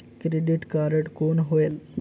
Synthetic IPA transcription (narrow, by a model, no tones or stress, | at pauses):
kɾeɖiʈkaːɾəʈkoːnɦoːel